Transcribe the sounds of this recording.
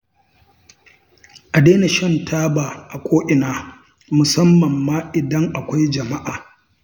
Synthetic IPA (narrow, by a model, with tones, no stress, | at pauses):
ʔa˨deː˦ne˨ʃɐ˦ntʰaː˦baː˨ʔa˨kʷʼoː˦ʔɪ˨naː˨˦ | mʊ˨sɐ˦mːɐ˨mːaː˦ʔɪ˨dɐ˦ŋʔa˨kʷa˦jd͡ʒɐ˨ma˦ʔaː˨